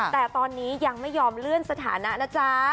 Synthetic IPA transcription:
t̪ɛː˨˩t̪ɔː˧nːiː˦˥ja˧ŋma˥˩jːɔː˧mlɯ˥˩ənsa˧t̪ʰa̰ː˩˦na˦˥ʔna˦˥˩t͡ɕʰa˦˥

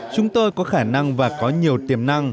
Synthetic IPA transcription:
t͡ɕʊ˨˦ŋ͡mt̪o˧jkɔ˨˦xaː˧˩na˧ŋvaː˨˩kɔ˨˦ɲi˨˩əwt̪i˨˩əmna˧ŋ

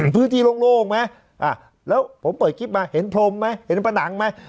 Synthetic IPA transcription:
pʰɯː˦˥nt̪ʰiː˧lo˧ŋloː˧˩kma˦˥ | ʔaː˧˩ | lɛː˦˥wpʰo˩˦mpɤː˨˩t̪̚kʰi˦˥p̚maː˧he˩˦npʰlo˧mːa˦˥he˩˦npʰa˧na˩˦ŋma˦˥j

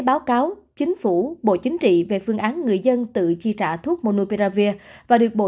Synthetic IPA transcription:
ɓaː˨˦wkaː˨˦wt͡ɕï˨˦ŋ̟fu˧˩ɓo̰˧˨t͡ɕï˨˦ŋ̟t͡ɕḭ˧˨ve˨˩fɨ˧˩əŋʔaː˨˦nŋɨ˨˩əjzə˧nt̪ɨ̰˧˨t͡ɕi˧t͡ɕa̰ː˧˩t̪ʰu˦˥ət̚mo˧no˧pe˧zaː˧vi˧əvaː˨˩ɗɨ˨˩ək̚ɓo̰˧˨˩

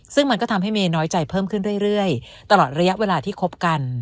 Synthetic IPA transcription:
sɯ˥˩ŋma˧nkɔː˥˩t̪ʰa˧mɦa˥˩jmeː˧nɔː˦˥jt͡ɕa˧jpʰɤː˥˩mkʰɯ˥˩nɾu˥˩əjɾɯ˥˩əj | t̪a˧lɔː˨˩t̪̚ɾa˧ja˦˥ʔweː˧laː˧t̪ʰiː˥˩kʰo˦˥p̚ka˧n

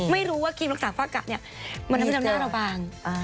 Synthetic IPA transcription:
ma˥˩jɾuː˦˥waː˥˩kʰiː˧mɾa˦˥k̚saː˩˦faː˧˩ka̰˨˩ni˥˩ɐ | ma˧na˦˥˧naː˥˩ɾa˧waː˧ŋa˧

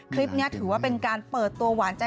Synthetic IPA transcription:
kʰɾi˦˥p̚ni˦˥ɐt̪ʰɯː˩˦waː˥˩pe˧nkaː˧npɤː˨˩t̪ːu˧ɐwaː˩˦nt͡ɕa˧

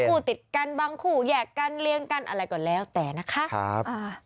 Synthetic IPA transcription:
uː˧˩t̪i˨˩t̪̚ka˧nbaː˧ŋkʰuː˧˩jɛː˨˩kːa˧nli˧əŋka˧nʔa̰˧ɾa˧jkɔː˨˩nlɛː˦˥˩wt̪ɛː˨˩na˦˥kʰa˦˥ʔa̰˦˥pʔaː˧˩

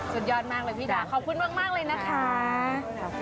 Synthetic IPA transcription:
su˨˩t̪̚jɔː˧n̚maː˧k̚laː˨˩wʰiː˧˥t͡ɕaː˨˩kʰɔː˨˩p̚kʰu˧˨nmaː˥˩k̚maː˥˩k̚lɤː˧jna˦˥kʰaː˦˥˩

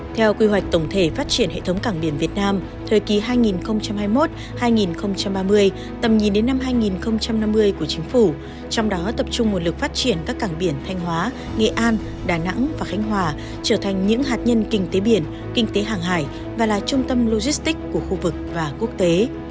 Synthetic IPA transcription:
t̪ʰɛ˧wkwi˧ɦwa˨˩k̟̚t̪ə˧˩wŋ͡mt̪ʰe˧˩faː˦˥t̚t͡ɕi˧˩ənhḛ˧˨t̪ʰə˨˦wŋ͡mkaː˧˩ŋɓi˧˩ənvi˨˩ət̚naː˧m | t̪ʰəː˨˩jki˨˦ɦaː˧jŋi˨˩nxə˧wŋ͡mt͡ɕa˧mhaː˧jmo˦˥t̚ | haː˧jŋi˨˩nxə˧wŋ͡mt͡ɕa˧mɓaː˧mɨ˧əj | t̪ə˨˩mɲi˨˩nɗe˨˦nːa˧mɦaː˧jŋi˨˩nxə˧wŋ͡mt͡ɕa˧mna˧mːɨ˧əjku˧˩ət͡ɕï˨˦ŋ̟fu˧˩ | t͡ɕɔ˧wŋ͡mɗɔ˨˦t̪ə˨˩p̚t͡ɕʊ˧ŋ͡mmo˨˩t̚lɨ˨˩k̚faː˦˥t̚t͡ɕi˧˩ənkaː˦˥kːaː˧˩ŋɓi˧˩ənt̪ʰa˧jŋ̟ɦwaː˨˦ | ŋḛ˧˨ʔaː˧n | ɗaː˨˩na̰˧˥ŋvaː˨˩xa˨˦jŋ̟ɦwaː˨˩ | t͡ɕəː˧˩t̪ʰa˨˩jŋ̟ɲɨ̰˧˥ŋɦaː˨˩t̚ɲə˧nkï˧ŋ̟t̪e˨˦ɓi˧˩ən | kï˧ŋ̟t̪e˨˦ɦaː˨˩ŋɦaː˧˩j | vaː˨˩laː˨˩t͡ɕʊ˧ŋ͡mt̪ə˧mlo˧zi˦˥st̪ï˦˥k̚kːu˧˩əxu˧vɨ˨˩k̚vaː˨˩ku˦˥ək̚t̪e˨˦

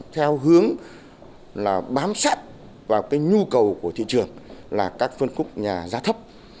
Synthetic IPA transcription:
t̪ʰɛ˧wɦɨ˨˦əŋ | laː˨˩ɓaː˨˦msaː˦˥t̚ | vaː˨˩wkaː˨˦jɲu˧kə˨˩wku˧˩ət̪ʰḭ˧˨t͡ɕɨ˨˩əŋlaː˨˩kaː˦˥k̚fə˧nkʊ˦˥k͡p̚ɲaː˨˩zaː˨˦t̪ʰə˦˥p̚

